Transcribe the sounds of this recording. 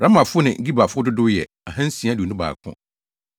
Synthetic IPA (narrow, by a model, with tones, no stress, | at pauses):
ɾã˦mã˨fʊ˦nɪ̰̃˨˦ɡi˦ba˨fʊ˦dʊ˦dʊ˦jɛ̰˨ | a˨ɦã˦n̩˦sĩ˨ã˦du˨nʊ̃˦ba̰ː˨kʰʊ̰̃˦